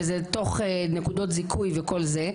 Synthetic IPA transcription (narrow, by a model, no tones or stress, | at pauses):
zeto̞χenekud̪o̞tzikʰujveko̞lze